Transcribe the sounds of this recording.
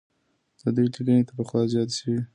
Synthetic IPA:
d̪̥əd̪ujʈ̪iɡənet̪apəxwɑzjɑt̪ʃii

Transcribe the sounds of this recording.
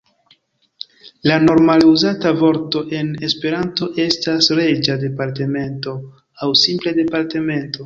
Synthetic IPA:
lano̞ɾmaluzatavo̞ɾto̞ʔe̞ne̞spe̞ɾanto̞ʔe̞stasɾe̞d͡ʒade̞paɾte̞me̞nto̞ | awsimplede̞paɾte̞me̞nto̞

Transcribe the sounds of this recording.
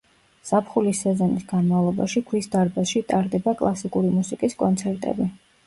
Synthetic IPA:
sapʰχulisːɛzɔnisɡanmavlˠɔbaʃiɡʰwisd̪aɾbasʃit̪ʼaɾd̪ɛbakʼlˠasikʼuɾimusikʼiskʼɔnt̪sʰɛɾt̪ʼɛ̰bi

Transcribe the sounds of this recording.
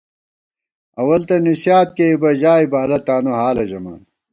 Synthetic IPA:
ɐwɐlt̪ɐnisjaːt̪̚keibɐʑaːibaːlɐt̪aːnoɦaːlɐʑɐma̰ːn

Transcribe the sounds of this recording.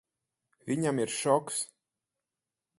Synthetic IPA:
vʲiɲamiɾʃɔks

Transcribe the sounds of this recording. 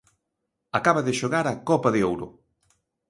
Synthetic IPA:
akaβaðɪʃoɣaɾakɔpɐðeowɾʊ̰

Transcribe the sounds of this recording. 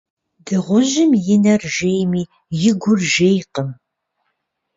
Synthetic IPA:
dɨʁʷʊʒɪmjɪnɐrʒejmiː | jɪɡʷʊrʒejqəm

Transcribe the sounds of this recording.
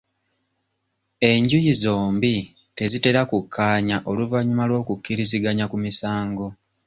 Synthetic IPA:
e̞ɲɟujizo̞ːmbi | te̞zite̞ɾakukʰːaːɲaʔo̞luvaɲumalwo̞ːkukːiɾiziɡaɲakumisaːŋɡo̞

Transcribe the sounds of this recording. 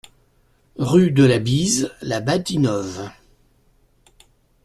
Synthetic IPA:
ʁyd̪əlabizlabat̪inɔv

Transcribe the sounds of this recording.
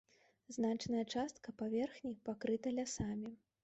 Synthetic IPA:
znat͡ʂnɐjɐt͡ʂast̪kɐpavʲɛrxnʲipakɾɨt̪ɐlʲasamʲi

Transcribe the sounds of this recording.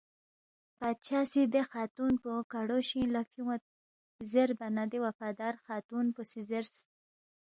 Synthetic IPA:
pat͡ʃʰasid̪exɑt̪unpokaɽoʃĩlafiwat̪̚ | zeɾbanad̪ewafɑd̪ɑɾxɑt̪unposizeɾs

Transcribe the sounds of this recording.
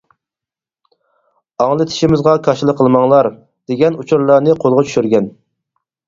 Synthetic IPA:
ɑŋlˠɨt̪ʰi̥ʃimɪzʁɑkʰɑʃilˠəqʰːəlˠmɑŋlˠɑɾ | d̪̥eɡʲɛnut͡ʃʰuɾlˠɑɾnɨqʰolˠʁɑt͡ʃʰy̥ʃyɾɡʲɛn

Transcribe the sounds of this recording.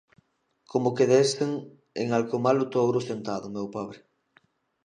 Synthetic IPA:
komʊkeðeseŋ | eŋalkomalʊt̪owɾʊsent̪aðʊmewpaβɾe

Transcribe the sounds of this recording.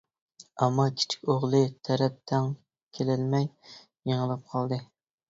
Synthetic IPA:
ɛmːɑkʲʰi̥t͡ʃʰi̥kʲoʁlˠɨt̪ʰɛɾɛp̚t̪ʰɛŋ | kʲʰelɪlmɛj | jeŋəlˠɨp̚qʰɑlˠd̪ɨ

